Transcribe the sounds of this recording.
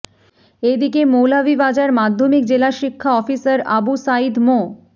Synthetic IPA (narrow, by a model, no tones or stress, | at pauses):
ed̪ikemowlabibad͡ʑaɾmad̪ʱːomik̚d͡ʑelaʃikʰːaɔfisaɾa̰busaid̪mo